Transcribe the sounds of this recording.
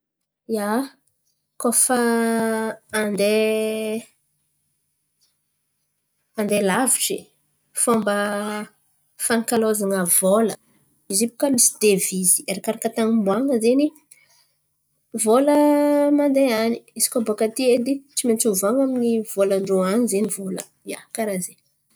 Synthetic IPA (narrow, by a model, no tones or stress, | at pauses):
ja | kofa | nd̪e | and̪elaviʈ͡ʂi | fambə | fanikalozaŋəvolə | izipu̥kamisi̥d̪̥evizi̥eɾakaɾakət̪aŋimbwaŋəzeni | voləmand̪eani̥isi̥kʲobokat̪ied̪it͡simet͡suvaŋaminivoləɳɖ͡ʐoanizenivolə̰ | ia̰kaɾaze